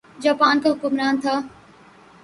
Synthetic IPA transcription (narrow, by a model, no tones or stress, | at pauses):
d͡ʒaːpaːnkaɦʊkʊmɾaːnt̪ʰaː